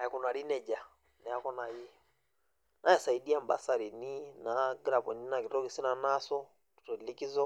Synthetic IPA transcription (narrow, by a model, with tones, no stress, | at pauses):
a˨ɛ˨ku˨na˨ɾi˦nɛ˨d͡ʒa˨ | nɛ˨a˦kɔ˦na˨ji˦ɔ | nʔa˦ɛ˨sa˨i˨di˦a˦˨m˨ba̰˦sa˨ɾi˨ni˦na˨ɡɾa˨pɔ˨ni˦na˨ki˨tɔ˦ki˨si˦na˨na˦sɔ˦ | tu̥˨tɔ˨i˨li˦ki˦zɔ˦